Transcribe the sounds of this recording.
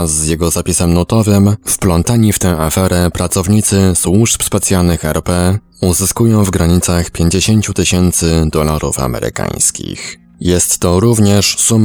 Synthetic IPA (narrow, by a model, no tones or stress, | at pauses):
zːjɛɡɔzapʲisɛmnut̪ɔvɘmfplɔnt̪aɲift̪ɛ̃w̃afɛɾɛpɾat̪sɔvɲit̪sɘswuʂpspɛt̪sʲjalnɘxɛɾpɛ | uzɘskujɔ̃w̃vɡɾaɲit̪saxpʲjeɲd͡ʑeɕeɲt͡ɕut̪ɘɕɛnt̪sɘd̪ɔlaɾṵfa̰mɛ̰ɾɘ̰kã̰j̃skʲḭx | jɛst̪ːɔɾuvɲɛʂsum